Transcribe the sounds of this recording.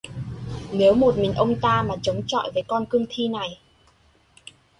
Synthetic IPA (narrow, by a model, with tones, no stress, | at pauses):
ne˨˦wmo˨˩t̚mi˨˩ŋ̟ʔə˧wŋ͡mt̪aː˧maː˨˩t͡ɕə˨˦wŋ͡mt͡ɕɔ̰˧˨jvəː˨˦jkɔ˧nkɨ˧əŋt̪ʰi˧na˨˩j